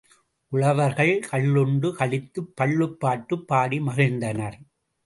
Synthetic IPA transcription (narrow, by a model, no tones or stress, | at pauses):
ʔʊɭɐʋɐɾɣɐɭkɐɭːʊɳɖɯkɐɭɪt̪ːɯpːɐɭːɯpːaːʈːɯpːaːɽimɐɣɪnd̪ɐnɐɾ